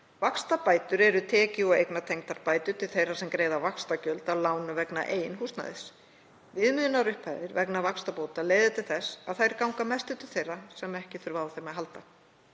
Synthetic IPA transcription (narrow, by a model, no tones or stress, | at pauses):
vakst̪apaːjt̪ʏɾɛɾʏt̪ʰɛːcɪɔɣḛjknat̪ʰejŋt̪aɾpaːjt̪ʏt̪ʰɪlθejrasɛmkɾejðavakst̪acœlt̪awlaːwnʏvɛkna̰ʔeːjnhust̪na̰ðɪs | vɪðmʏðʏnaɾʏhpʰajðɪɾvɛknavakst̪apowt̪aleːjðɪt̪ʰɪlθɛsːaðθajɾkawŋkamɛst̪ʏt̪ʰɪlθejrːasɛmɛhcɪθʏɾvaːwθejmaðɦalt̪a